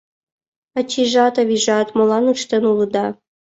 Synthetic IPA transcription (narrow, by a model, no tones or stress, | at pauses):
at͡ɕʰiʒɑt̪aviʒɑt̪molˠɑnuʈ͡ʂt̪ənulˠɨd̪ɑ